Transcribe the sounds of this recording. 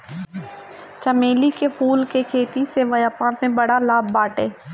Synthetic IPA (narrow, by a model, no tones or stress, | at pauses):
t͡ʃəmeːlikepʰuːlkekʰeːt̪iseʋəjaːpãːt̪mẽbəɽalaːbːaːʈeː